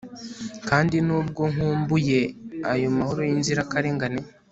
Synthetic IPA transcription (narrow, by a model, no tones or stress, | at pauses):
kaːndinuːbɡo̞ŋ̥uːmbuje̞ajo̞mahoɾojinziɾakaɾeŋɡane